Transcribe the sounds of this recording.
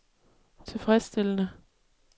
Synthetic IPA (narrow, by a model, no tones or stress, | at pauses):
t͡sʰe̝lfʁɛsd̥elənə